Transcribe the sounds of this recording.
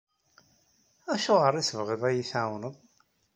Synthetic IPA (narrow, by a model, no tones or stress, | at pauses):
æʃʊʁəɾˤisəvʁiðˤæjiθawnəðˤ